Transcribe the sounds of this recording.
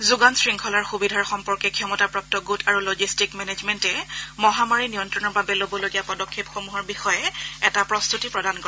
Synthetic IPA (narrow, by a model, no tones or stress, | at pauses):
zuɡansɹiŋkʰɔlaɹxubidʱaɹxɔmpɔɹkɛkʰijɔmɔtapɹɔk̚tɔɡutʰaɹulod͡ʒistikmɛned͡ʒmɛntɛmɔɦamaɹinijɔntɹɔnɔɹbabɛlobɔloɡijapɔdɔkʰːepxomuɦɔɹbixɔjɛɛtapɹɔstutipɹɔdʱankɔɹ